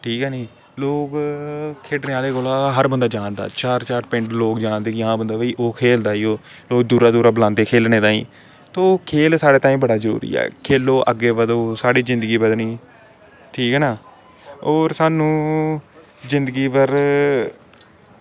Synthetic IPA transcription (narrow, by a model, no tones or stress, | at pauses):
ʈʰiːkɛːniː | loːkkʰeːʈneːaːleːkoːlaːɦəɾbənd̪aːd͡ʒaːnd̪a̰ːt͡ʃaːɾt͡ʃaːɾpɪ̃ɳʈloːkd͡ʒãːnd̪eːkɪãːbənd̪aːʋiːʔoːkʰeːld̪aːiːoː | loːk̚d̪uːɾaːd̪uːɾaːbəlãːnd̪eːkʰeːlneːt̪ãːḭ̃ː | t̪oːkʰeːlsaːɽeːt̪aːĩːbəɽaːzəɾṵːɾḭːɛ̰ːkʰeːloːʔəɡeːbəd̪oːsaːɽiːzɪ̃nd̪əɡiːpəd̪nĩː | ʈʰiːkɦɛːnaː | oːɾsaːnũː | zɪ̃nd̪əɡiːpəɾ